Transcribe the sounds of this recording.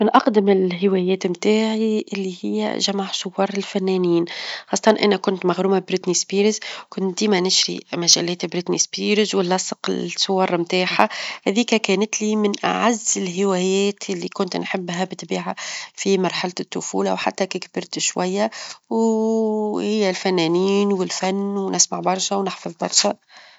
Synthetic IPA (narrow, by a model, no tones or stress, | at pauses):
mɪnʔɑqd̪ɪmɪlɦɪwæjɛːt̪mt̪aːʕiʔɪlːihɪjːæ̰ʒamaʕsʊwːɑːɾˤɪlfænːæniːnxɑsˤːɑt̪ɑnʔæ̰nækʊnt̪maɣɾuːmabɾɪt̪nisbiːɾɪzkʊnt̪̚d̪iːmænɪʃɾḭmæʒælːæːt̪bɾɪt̪nḭspiːɾɪzwɪlːɑsˤəqɪ̰lsʊwːɑɾˤmt̪aːħahæðiːkækæːnɪt̪liːmɪnʔa̰ʕazːɪlɦɪwæːjɛːt̪ɪlːikʊnt̪nħɪbːɦæbɪt̪biːʕafimɑɾˤħalɪt̪ːʊfṵːlawħa̰t̪ːækɪkbɪɾt̪ʃwæjːaw | hɪjːælfænːæniːnwɪlfænːwnɪsmaʕbɑɾˤʃawnɪħfɑðˤbɑ̰ɾˤʃæ